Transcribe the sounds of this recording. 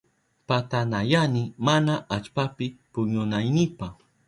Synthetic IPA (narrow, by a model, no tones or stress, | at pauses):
pat̪anajanɪmanaʔat͡ʃpapɪpʊɲʊnajnɪpax